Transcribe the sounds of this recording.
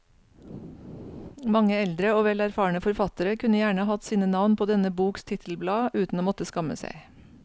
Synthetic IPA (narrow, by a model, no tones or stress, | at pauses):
mɑŋəɛld̪ɾəoːʋɛlæɾfɑːɳəfɔɾfɑt̪əɾəkʰʉnəjæːɳəhɑt̪siːnənɑʋnpʰoːd̪ɛnəbuːkst̪ʰɪt̪ʰl̩blɑːʉːt̪n̩oːmɔt̪əskɑmə̰sæ̰ɪ